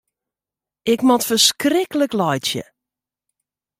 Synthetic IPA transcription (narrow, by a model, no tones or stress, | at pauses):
ɪkmɔtfərskrɪkələklɔjtjə̰